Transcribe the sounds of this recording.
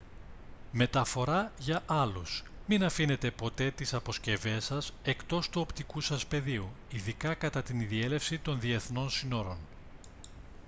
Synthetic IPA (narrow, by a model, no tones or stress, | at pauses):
me̞t̪ɐfo̞ɾɐʝɐʔɐlusminɐfine̞t̪e̞po̞t̪e̞t̪isɐpo̞sce̞ve̞sɐse̞kt̪o̞st̪uo̞pt̪ikusɐspe̞ðiu | iðikɐkɐt̪ɐt̪iniðie̞le̞fsit̪o̞nðie̞θno̞nsino̞ɾo̞n